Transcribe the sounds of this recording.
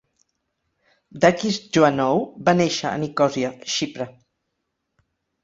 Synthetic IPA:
d̪akisd͡ʒuanɔwbaneʃəə̰nikɔziaʃipɾə

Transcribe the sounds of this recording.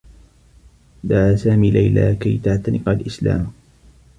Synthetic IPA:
d̪aʕaːsaːmiːlajla̰ːkajt̪aʕt̪anɪqalʔɪsla̰ːm

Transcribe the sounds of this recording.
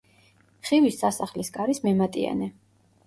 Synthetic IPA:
χivisːasaχlisɡaɾismɛmat̪ʼia̰nɛ

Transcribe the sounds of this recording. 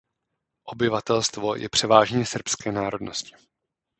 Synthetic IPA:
ʔo̞bɪvat̪ɛlst̪vo̞jʔɛ̰pr̝̥ɛvaːʒɲɛsr̩pskɛːnaːɾo̞dno̞scɪ̥

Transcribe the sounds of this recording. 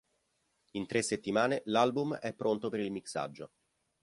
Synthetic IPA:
int̪ɾesːet̪ːimaːnelalbumɛpːɾont̪opeɾilmiksa̰d͡ʒːo

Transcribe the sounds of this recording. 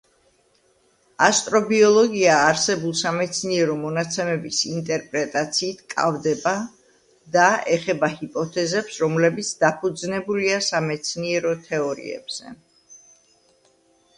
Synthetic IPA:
ast̪ʼɾɔbiɔlˠɔɡiaːɾsɛbulˠsamɛt̪sʰniɛɾɔmɔnat̪sʰɛmɛbisint̪ʼɛɾpʼɾɛt̪ʼat̪sʰiːt̪ʰkʼa̰vd̪ɛba | d̪aɛχɛbahipʼɔt̪ʰɛzɛpsɾɔmlɛbit̪sʰd̪apʰud̪znɛbuliasamɛt̪sʰniɛɾɔt̪ʰɛɔɾḭɛ̰b̥z̥ɛ̰

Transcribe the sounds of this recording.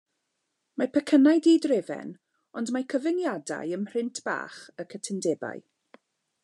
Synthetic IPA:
mapʰɛkʰənajdiːdrɪvɛ̰n | ɔndmajkʰəvɪnjada̰jəmr̥ɪntʰb̥a̰ːχəkʰətʰɛndɛba̰j

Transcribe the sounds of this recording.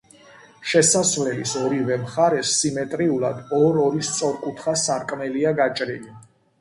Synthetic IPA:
ʃɛsasvlɛlḭsɔɾivɛmχaɾɛsːimɛt̪ʼɾiulˠa̰d̪ɔɾɔɾist̪sʼɔɾkʼut̪ʰχasaɾkʼmɛliaɡat͡ʃʼɾili

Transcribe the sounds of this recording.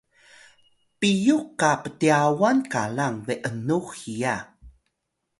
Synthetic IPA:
pijukːapətiawankalaŋveʔənuxija

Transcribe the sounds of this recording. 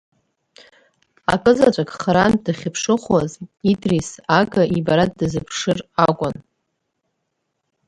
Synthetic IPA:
a̰kʼɨzat͡ʃʷʼakʼχɾandaχʲɪpʰʂɨχʷwazidrisaɡʼaʔibaɾat̚dɨzɨpʰʂɨrakʷʼʊn

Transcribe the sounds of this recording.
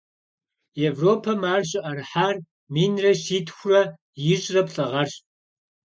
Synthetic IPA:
evroːpʰɐmaːrɕʼɪʔɐrħaːr | miːnrɐʃiːtʰʼxʷʊrɐ | jɪʑrɐpɬʼɐʁɐrɕ

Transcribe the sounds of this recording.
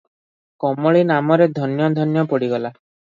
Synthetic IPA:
kɔmɔɭinamɔɾed̪ʱɔnjɔd̪ʱɔnjɔpɔɽiɡɔla

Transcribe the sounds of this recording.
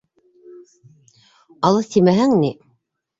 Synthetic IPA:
ɑlˠɤθt̪imæɦæŋni

